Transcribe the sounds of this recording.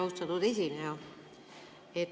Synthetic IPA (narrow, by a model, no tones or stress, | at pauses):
ɑust̪ɑt̪ud̪e̞sʲineo | et̪ː